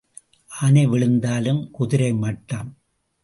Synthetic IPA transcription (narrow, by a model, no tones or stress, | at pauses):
ʔaːnɐɪʋɪɭɯnd̪aːlɯmkʊðɪɾɐɪmɐʈːaːm